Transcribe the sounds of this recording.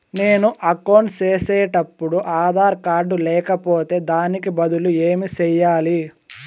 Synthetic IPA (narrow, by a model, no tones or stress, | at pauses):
ne̞ːnuʔɐkɐwɳʈt͡ʃeːsɛːʈɐpːuɽuʔaːd̪ʱaːɾkaːɾɖulɛːkɐpoːt̪e̞ːd̪aːnikibɐd̪ulueːmit͡ʃɛjːaːli